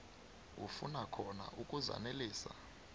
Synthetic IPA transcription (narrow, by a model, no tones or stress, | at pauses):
ṵfṵnakʰɔna̰ʔukʼuza̰neliːsa